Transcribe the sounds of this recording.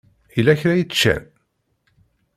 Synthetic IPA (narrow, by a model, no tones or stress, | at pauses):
ilːæçɾæjət͡sːt͡ʃːæ̰n